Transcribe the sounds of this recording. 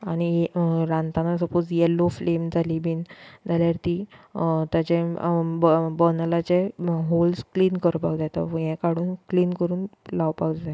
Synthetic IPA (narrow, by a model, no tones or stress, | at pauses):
aɽ̃iɾãnt̪anasəpot͡sjɛlːoflemd͡zʱaliːbʱiːnd͡zaljaɾt̪iːt̪at͡ɕẽbbɔnəlat͡ɕeɦolskliːnkəɾpaɡd͡zat̪ə̰əjɛ̃kaɽ̤uːnkliːnkəɾuːnlaʋpaɡd͡za